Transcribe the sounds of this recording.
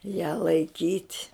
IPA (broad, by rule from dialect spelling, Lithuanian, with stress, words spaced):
jæː lˠɐɪˈkʲiːtʲ